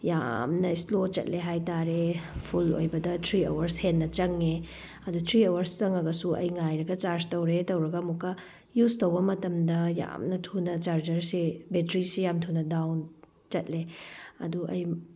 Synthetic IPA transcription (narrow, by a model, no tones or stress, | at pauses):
ja̰mnɐislot͡ʃɐ̰t̚leɦajtaɾepʰulo̰jbɐdɐtʰɾio̰wɐɾshenːɐt͡ʃɐŋe | ɐdutʰɾiowɐɾst͡ʃɐŋɐɡɐsuʔɐ̰jŋajɾɐɡɐt͡ʃaɾstowɾetɐwɾɐɡɐmukːɐ | justɐwbɐmɐtɐmdɐja̰mnɐtʰunɐt͡ʃaɾd͡ʒɐɾsibetɾisijamtʰunɐdawn | t͡ʃɐt̚leɐ̰duʔɐ̰j